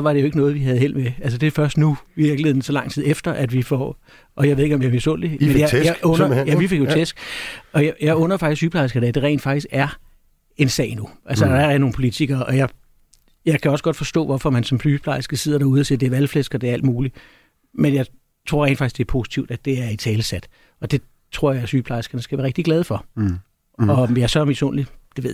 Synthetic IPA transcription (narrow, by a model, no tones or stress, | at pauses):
sɒʋɑ̈ɾ̥e̝jo̝eɡənɔ̽ːð̞̩ˠʋiɦæð̞̩ˠhe̝l̰meæls̬əd̥e̝fɶɐsd̥nuiʋiɐɡ̥ləhe̝ð̰ˠn̩sɒ̽lɑ̈ŋ̰t͡sʰiðˠefd̥ɐʔæd̥ʋifɒ | ʔɒ̽jɑ̈eðˠe̝ɡ̥ɒ̽mjimisɔn̰d̥emmenjajɔnɐjæʋifeɡ̥jot͡sʰesɡ̥ɒ̽jjɑɪɔ̽nɐfɑɡ̥isʰyːpʰlɑ̈ɪsɡ̥ɐned̥e̝ʁɛ̰ɪ̰nd̥fɑ̈ɡ̥isɡ̥æɐ | e̝nsɛ̰ɪnuʔælsəd̥ɑæɐno̝ːnpʰolit͡sʰiɡ̥ɐʔɒ̽jɑ̈ɪ | jɑ̈ɪkʰæɒ̽səɡ̥ɒ̽d̥fɒ̽sd̥ɔ̰ːʋɒfɒ̽mænsɒ̽mflyːpʰlɑ̈ɪsɡ̥əse̝ð̰ˠɐɾ̥ɑ̈uð̞ˠɐse̝̰d̥e̝æɐʋælflesɡ̥ɐɒd̥e̝æɐæl̰d̥muːli | menjɑ̈ɪ | t͡sʰʁo̰ɐʁḛn̥̩fɑɡ̥i̥sɡ̥d̥e̝ɐpʰo̝ːsi̥t͡sʰiʊd̥æd̥e̝æɐit͡sʰɛːləsæd̥ | ɒ̽d̥e̝ | t͡sʰʁo̝ɐ̰jɑ̈ɪæsyːpʰlɑ̈ɪsɡ̥ɐnəsɡ̥æʋæɐʁeɡ̥̚d̥iɡ̥lɛð̞ˠfɒ̽ | ɒ̽jɑsɒmiso̰ːnlid̥e̝ʋeð̰